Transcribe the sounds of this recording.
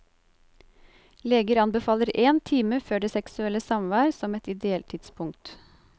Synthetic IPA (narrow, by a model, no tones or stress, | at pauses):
leːɡəɾɑnbəfɑːləɾeːnt̪ʰiːməføːɖeːsɛksʉɛləsɑmʋæːɾsɔmɛt̪ɪd̪ɛɛlt̪ʰɪd̪spʰʊŋkt̪